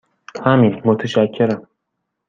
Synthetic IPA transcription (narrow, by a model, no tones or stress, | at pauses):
hæminmot̪ʰeʃæcʰːe̞ɾæm